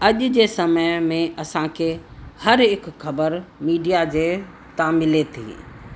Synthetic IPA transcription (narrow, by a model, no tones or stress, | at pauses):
ɐʄd͡ʑeːsɐməjmẽʔɐsãkʰeːhɐɾɦɪkxɐbəɾmiːɖijad͡ʑeː | t̪ãmɪlet̪ʰḭː